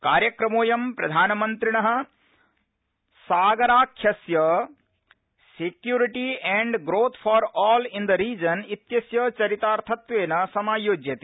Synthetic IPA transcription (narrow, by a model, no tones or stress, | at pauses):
kaːɾjɐkɾɐmoːjɐmpɾɐd̪ʱaːnmɐnt̪ɾiɳɐɦə̆ | saːɡɐɾaːkʰjɐsjɐ | sekjuɾiʈiɛ̃ɳɖɡɾoːt̪ʰpʰɔɾɔːlĩnd̪əɾiːd͡ʒɐnit̪jɐsjɐt͡ʃɐɾit̪aːɾt̪ʰɐt̪ʋeːnɐsɐmaːjoːd͡ʒjɐt̪i